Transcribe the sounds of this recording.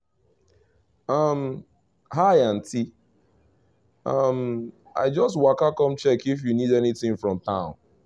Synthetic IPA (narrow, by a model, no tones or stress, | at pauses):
ʌm | ɦaɪan̩tʰi | ʌm | a̰ɪd͡ʒɔst̬wakakɔ̃mt͡ʃɛkifjunidɛnitɪ̃ŋfɹɔ̃mtãʊ̃n